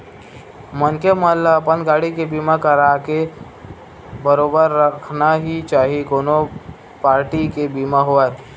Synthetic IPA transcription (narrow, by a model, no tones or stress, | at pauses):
mənkeməlapənɡaːɽikebimakəɾake | bəɾoːbəɾːəkʰnaɦit͡ʃaːɦikoːno | paːɾʈikebimaɦoae